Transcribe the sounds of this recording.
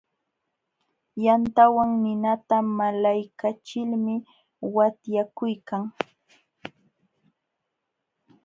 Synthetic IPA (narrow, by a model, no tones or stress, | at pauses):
jant̪awaŋnɪnat̪amalajkat͡ʃɪlmɪ | wat̪jakʊjkaŋ